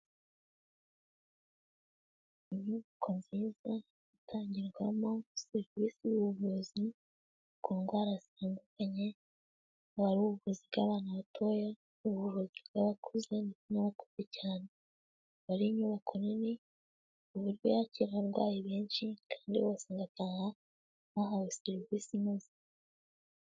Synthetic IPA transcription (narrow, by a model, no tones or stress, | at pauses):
iɲuːβakʰonziːza | itʰaːɲɟiɾɡwamoseɾiviːsijuβuzi | koːŋɡwaːɾasaːndukaɲe̞ | aβaɾuβuβuziβɡaβaːnuβatʰo̞ja | uβuβuzibɡaβakʰuze̞nikimaβako̥zecaːne | βaɾiɲuβakʰonini | uβuɾjojaciɾaβaɾɡwa̰ːjiβeːnʃikʰḁːndioβasaːŋɡataːha | βaɦaweseɾiviːsimuzi̥